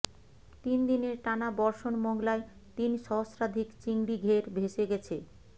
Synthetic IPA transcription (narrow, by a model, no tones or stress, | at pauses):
t̪ind̪ineɾʈanabɔɾʃonmɔŋlae | t̪inʃɔosɾad̪ʱikt͡ɕiŋɽiɡʱeɾbʱeʃeɡɛt͡ɕʰe